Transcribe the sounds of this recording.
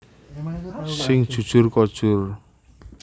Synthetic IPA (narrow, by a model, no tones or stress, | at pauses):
sɪŋd̥ʒ̥ṳd̥ʒ̥ʊrkɔd̥ʒ̥ʊr